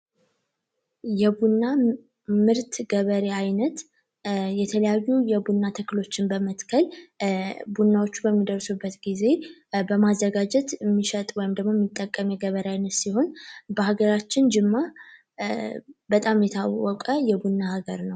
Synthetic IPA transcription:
jɛbunːa | mɨɾt̪ɡəβəɾeajnət̪ | jɛt̪ʰələjajːujɛbunːat̪ʰəkːlo̞t͡ʃːɪnbəmət̪kʰəl | bunːawo̞t͡ʃːubəmːid̪əɾsubːət̪ɡize̞bəmazːəɡad͡ʒɛt̪mːiʃət̪ʼwɔjɪmd̪əɡmo̞jɛmːit̪ʼːəkʼːəmjɛɡəβəɾeajnət̪siho̞nbəhaɡəɾat͡ʃːɪnd͡ʒɪmːa | bət̪ʼamjɛt̪ʰawɔkʼəjɛbunːahaɡəɾnəw

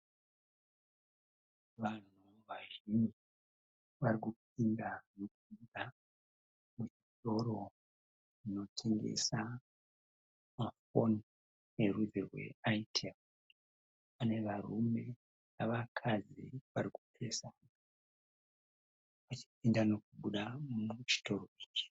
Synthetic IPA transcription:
ʋan̤u | ʋaʒimi | ʋaɾikup̚indanokuinda | mut͡ʃito̞ɾo̞ | ino̞tʰe̞ŋɡḛsa | mafo̞n | erud͡zerwe̞̰aitʰem | pane̞ʋarume̞ | naʋakʰazḭʋaɾiku̥pʰesa | ʋat͡ʃi̥p̚indano̞kuɓuɗammut͡ʃi̥to̞ɾo̞iːt͡ʃi̥

